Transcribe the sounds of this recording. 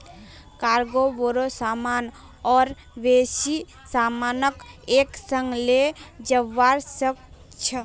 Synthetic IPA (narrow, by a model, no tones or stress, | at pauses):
kaːɾɡoboɾosaman | ɔːɾ | besi | saːmanəkeksəŋɡled͡ʒəʋːaɾsək | t͡ʃʰə